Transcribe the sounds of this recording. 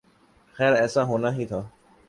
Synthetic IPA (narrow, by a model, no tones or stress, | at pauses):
xɛːɾɛːsãːɦoːnaːɦiːt̪ʰaː